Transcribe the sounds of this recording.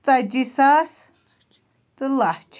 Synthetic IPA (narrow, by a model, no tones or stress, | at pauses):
t͡sad͡ʒisas | t̪ɨlat͡ʃʰ